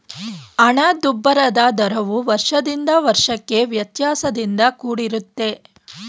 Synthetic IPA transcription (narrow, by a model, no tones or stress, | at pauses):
ɐɳɐd̪ubːɐɾɐd̪ad̪ɐɾɐʋuʋɐɾʂɐd̪ind̪ɐʋɐɾʂɐkːe̞ʋjɐt̪jaːsɐd̪ind̪ɐkuːɽiɾut̪ːe̞